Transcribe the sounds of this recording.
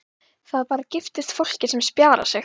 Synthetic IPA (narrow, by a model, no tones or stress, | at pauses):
θaðpaːɾacɪft̪ɪst̪fowl̥cɪsɛmspjaːɾa̰sjɛ